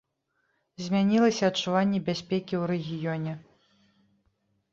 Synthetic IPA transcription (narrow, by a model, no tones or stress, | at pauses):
zʲmʲanʲilˠɐsʲɐɐt͡ʂːuvanʲːɛbʲasʲpʲɛkʲiwɾɛɣʲijɔnʲɛ